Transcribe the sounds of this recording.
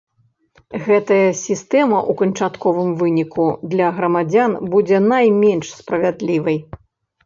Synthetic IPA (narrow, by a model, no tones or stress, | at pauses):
ɣɛt̪ɐjɐsʲist̪ɛmɐʔukɐnt͡ʂat̪kɔvɨmvɨnʲikʰud̪lʲɐɣɾɐmad͡zʲanbud͡zʲɛnajmʲɛnʂspɾɐvʲad̪lʲivɐj